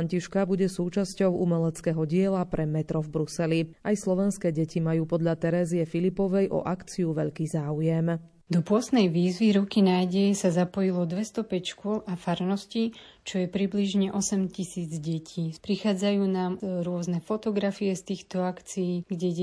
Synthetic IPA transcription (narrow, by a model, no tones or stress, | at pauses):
ɲciʃkabuɟɛsuːt͡ʃascɔʊʔumɛlɛt͡skɛːɦɔɟɪɛlapɾɛmɛt̪ɾɔvbɾusɛliajslɔʋɛnskɛːɟɛcimajuːpɔd̪ʎat̪ɛɾɛːziɛfilipɔʋɛjʔɔ̰ʔakt͡siuʋɛʎkiːzaːujɛm | d̪ɔpʊɔst̪nɛjʋiːzʋiɾɔkinaːjɟɛjɛsazapɔjilɔd̪ʋɛst̪ɔpɛcʃkʊɔlʔafaɾnɔscit͡ʃɔjɛpɾibliʒɲɛʔɔsɛmcisiːd͡zɟɛcʰiːpɾixaːd͡zajuːnaːmɾʊɔznɛfɔt̪ɔɡɾafiɛst̪iːxt̪ɔakt͡sijiːɡɟɛ